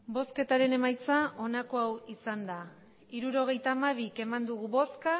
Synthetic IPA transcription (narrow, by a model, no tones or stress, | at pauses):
bo̞ske̞t̪aɾe̞ne̞majt͡saʔo̞nako̞awisand̪a | iɾuɾo̞ɣ̞e̞jt̪aːmaβike̞mand̪uɣ̞uβo̞ska